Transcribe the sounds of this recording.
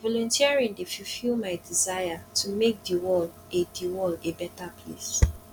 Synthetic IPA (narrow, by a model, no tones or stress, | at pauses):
vɔlɔ̃ntʰiaɹĩndefifilmaɪdizajatʰumek̚diwɔl | ediwɔlebɛtapʰlḛs